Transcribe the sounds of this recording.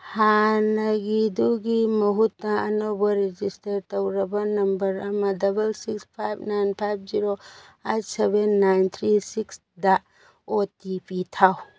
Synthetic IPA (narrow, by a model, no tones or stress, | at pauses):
hanɐɡiduɡimɐɦutnɐɐnowbɐɾed͡ʒistɐɾtowɾɐbɐnɐmbɐɾɐmɐdɐbɐlsikspʰajb̚ʰnajnpʰajb̚ʰziɾo | ejtsebenːajnt̪ʰɾisiks | dɐ | otipitʰaw